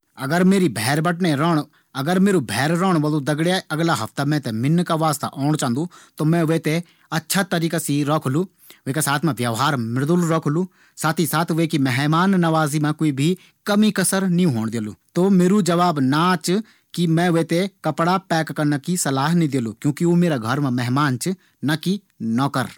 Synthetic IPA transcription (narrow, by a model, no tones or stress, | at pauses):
ɐɡəɾmeːɾibʱɛːɾbəʈneɾɔːɽ̃ | ɐɡəɾmeːɾubʱɛːɾɾɔːɽ̃ʋəlod̪ɐɡɽjaɐɡlaɦɐft̪amɛ̃t̪ɛmɪnːkaʋaːst̪a̰ʔɔːɳ̃t͡ʃãːnd̪ũt̪oːmɛ̃ʋeːt̪e | ɐtːʃʰat̪əɾiːkasiɾɔːkʰlu | ʋeːkasaːt̪ʰmãʋjəʋɦaːɾmɪɾd̪ulɾɔːkʰlu | saːt̪ʰisaːt̪ʰʋekimɛɦmaːnːɐʋaːzimɛ̃koːibʱi | kɐmikɐsəɾnĩɦoːɽ̃d̪eːlṵːt̪omeːɾud͡ʒɐʋaːbnat͡ʃ | kimɛ̃ʋeːt̪ekɐpɽapɛːkːɐnakisɐlaːɦnĩd̪eːlukjõːkiomeːɾaɡʱɐɾmãmɛɦmaːnt͡ʃɨ | nɐki | nɔːkəɾ